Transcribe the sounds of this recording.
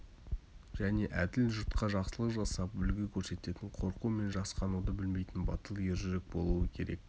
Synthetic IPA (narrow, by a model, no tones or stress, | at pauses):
ʒ̥æne̞ʔæd̪ɪlʒʊɾt̪qɑʒɑqsəlˠəqʒɑsɑpʏlɡʲɪkʲʰɵɾse̞t̪e̞t̪ɪɴqʰo̞ɾqume̞nʒɑsqɑnud̪əbɪlme̞jt̪ɪnbɑt̪əlˠjeɾʒʏɾɪk̚bo̞lˠuəkʲʰe̞ɾe̞̰k̚